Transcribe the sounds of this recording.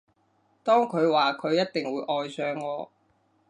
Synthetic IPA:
t̪ɔː˥ŋkʰɵ˨˧ɥwaː˨kʰɵ˨˧ɥjɐ˥t̚t̪ɪ˨ŋwuː˨˧˥ʔɔː˨jsœː˨˧ŋːɔː˨˧

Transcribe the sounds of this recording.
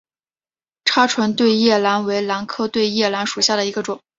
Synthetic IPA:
ʈ͡ʂʰa˥ʈ͡ʂʰwə˧˥nt̪we˥˧ɪjɛ˥˩la˧˥nwe˧˥ɪla˧˥nkʰɤ˥˧t̪we˥˧ɪjɛ˥˩la˧˥nʂu˨˩ɕja˥˩ɾə˩i˧˥ɡə˧ʈ͡ʂʊ˨˩˦ŋ

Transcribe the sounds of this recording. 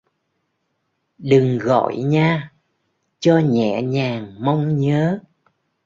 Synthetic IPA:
ɗɨ˨˩ŋɣɔ̰˧˨jɲaː˧ | t͡ɕɔ˧ɲɛ̰˧˩˨ɲaː˨˩ŋma˧wŋ͡mɲəː˨˦

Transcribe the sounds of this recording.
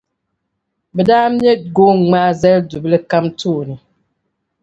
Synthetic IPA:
bɛ˨daː˦m˦ɛ˦ɡo˦ŋ͡ma˦zɛ˦ldu˨blɨ˦ka˦mtuː˦˨nɨ˨

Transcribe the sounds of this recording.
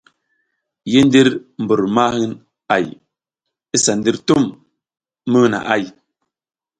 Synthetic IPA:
je˦n˦di˦ɾm̩˨bə˨ɾma˦n | a˦˨j | e˦sa˨n˦di˦ɾtu˦˨m | mə˦˨na̰˨ʔa˦˨j

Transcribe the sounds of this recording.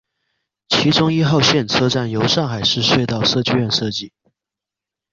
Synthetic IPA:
t͡ɕʰi˧˥ʈ͡ʂʊ˥ŋi˥xɑ˥˧ʊɕjɛ˥˧nt͡sʰɤ˥ʈ͡ʂa˥˩njo˧˥ʊʂɑ˥˩ŋxa˨˩ɪʂɻ̩˥˧ʂwe˥˧ɪt̪ɑ˥˩ʊʂɤ˥˧t͡ɕy˥˧ɥɛ˥˧nʂɤ˥˧t͡ɕi˥˩

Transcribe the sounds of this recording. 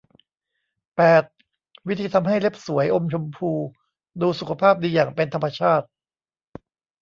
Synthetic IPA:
pɛː˨˩t̪̚ | wt̪ʰiː˧t̪ʰa˧mɦa˥˩jle˦˥p̚su˩˦əjʔo˧mt͡ɕʰo˧mpʰuː˧ | duː˧su˨kʰa˧pʰaː˥˩p̚diː˧jaː˨˩ŋpe˧nt̪ʰa˧mːa˧t͡ɕʰaː˥˩t̪̚

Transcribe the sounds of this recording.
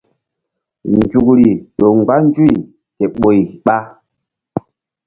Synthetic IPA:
n˨d͡ʒu˨kɾi˨ɗo˨ŋ͡mɡ͡ba˦n˦d͡ʒu˦i˨ | kɛ˨ɓo˨i˨ɓa˦

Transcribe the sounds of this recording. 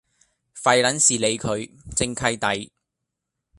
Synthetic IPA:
fɐ˨˧jlɐ˨˥nsiː˨le˨˧jkʰɵ˨˧ɥt͡sɪ˧ŋkʰɐ˧˥jt̪ɐ˨j

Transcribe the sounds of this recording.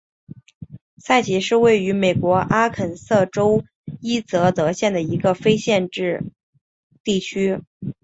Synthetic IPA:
sa˥˩ɪt͡ɕʰi˧˥ʂɻ̩˥˧we˥˩ɪy˧˥me˨˩ɪkwɔ˧˥ʔa˥kʰə˨˩nsɤ˥˩ʈ͡ʂo˥ʊ | i˥t͡sɤ˧˥t̪ɤ˧˥ɕjɛ˥˩nd̪ə˩i˧˥ɡə˧fe˥ɪɕjɛ˥˧nʈ͡ʂɻ̩˥˧ | t̪i˥˩t͡ɕʰy˥

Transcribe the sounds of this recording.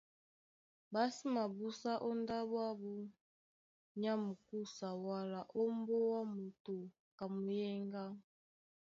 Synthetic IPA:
ba˦si˦ma˨bu˦sa˦ʔo˦nda˦bwa˦bu˦ | ɲa˦mu˨ku˦sa˨wa˦la˨ʔo˦mbo˦wa˦mu˨to˨ | ka˨mu˨jɛ˦ŋɡa˦

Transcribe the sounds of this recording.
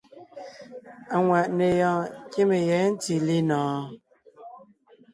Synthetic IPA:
a˨ŋwa˨ʔne˨jɔ̃˨ke˦me˨jɛ˨˦n̩˦ti˨li˦nɔ̃ː˨

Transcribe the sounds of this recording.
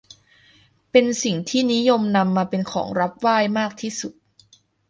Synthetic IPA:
pe˧nsi˨˩ŋt̪ʰiː˥˩ni˦˥jo˧mna˧mːaː˧pe˧nkʰɔ̰ː˩˦ŋɾa˦˥p̚waː˥˩jmaː˥˩k̚t̪ʰiː˥˩su˨˩t̪̚

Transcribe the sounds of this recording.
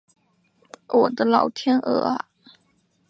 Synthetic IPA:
wɔ˨˩d̪ə˦lɑ˨˩ʊt̪ʰjɛ˥nʔə̰˨˩a˦

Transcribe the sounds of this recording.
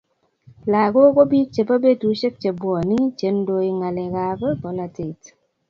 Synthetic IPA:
la˨ɡo˦ko˦bi˦k̚t͡ʃe˨pa˦be˦tu˨˦t͡ʃe˦k̚t͡ʃe˨bwɔ˨nɪ˦t͡ʃe˨˦ndo˦ɪ˦ŋa˨lɛ˨ka˦kbɔ˨˦la˨tɪ˨t

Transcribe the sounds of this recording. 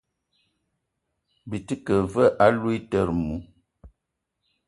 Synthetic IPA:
bi˨ti˦kə˨və˦ʔa˦lwu˦i˦tə˦˨ɾmu˨˦

